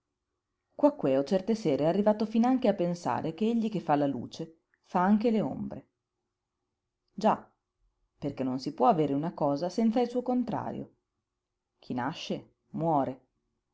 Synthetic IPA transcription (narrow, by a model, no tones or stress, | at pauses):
kwakːweɔt͡ʃɛrt̪eseːɾeɛarːivaːt̪ofinaŋkeapːensa̰ːɾekeeʎːikefːalːalṵːt͡ʃe | faaŋkeleo̰mbɾe | d͡ʒa | perkenːonsipwɔaveːɾeunakɔːzasɛnt̪sailsuːokont̪ɾa̰ːɾjo̰ | k̟ʰinaʃːe | mwɔːɾe